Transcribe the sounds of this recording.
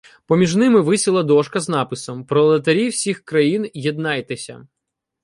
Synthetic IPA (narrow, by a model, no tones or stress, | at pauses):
pɔmʲiʒnɪmɪʋɪsʲilˠɐd̪ɔʃkɐznɑpɪsɔmpɾɔlˠɐt̪̬ɐɾʲiwsʲixkɾɐjinjɛd̪nɑjt̪ɪsʲɐ̰